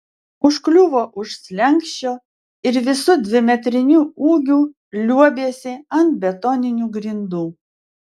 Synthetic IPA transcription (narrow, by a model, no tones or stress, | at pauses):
ʊʃklʲuʋoːʔʊʃsʲlʲɛŋʲkʃʲt͡ʃʲoː | ɪɾʋʲɪsʊd̪ʲʋʲɪmʲɛt̪ʲɾʲɪnʲuːuːɡʲuː | lʲuɔbʲeːsʲɪɐnt̪bʲɛt̪ɔːnʲɪnʲuːɡɾʲɪnd̪uː